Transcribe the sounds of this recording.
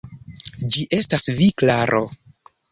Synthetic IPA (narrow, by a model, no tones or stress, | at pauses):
d͡ʒiʔe̞stasviklaɾʔo